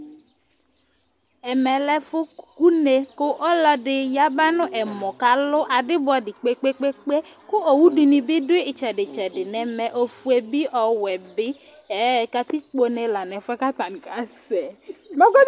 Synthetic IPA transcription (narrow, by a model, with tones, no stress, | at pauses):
ɛ˨mɛ˨lɛ˦fʊ˦ku˦ne˨kʊ˦ʔɔ˦lɔ˨dɪ˨ja˦ba˦nʊ̃˦ʔɛ˨mɔ˨ka˨lʊ˦ʔa˨dɪ˦bɔ˨dɪ˨k͡pe˦k͡pe˦k͡pe˦k͡pe˦kʊ˦ʔo˨wu˦du˨nɪ̃˨bɪ˦dʊ˦ɪ˦ɪ˨t͡ʃɛ˨dɪ˨t͡ʃɛ˨dɪ˨nɛ˨mɛ˨ʔo˨fu˨ɛ˨bɪ˦ʔɔ˨wɛ˨bɪ˦ | ɛ˨˦ka˨t̪i˦k͡po˨nɛ˨la˨nɛ˨fa˦ka˦t̪a˨n˨ka˨˦sɛ˨mɔ˦ɡɔ˦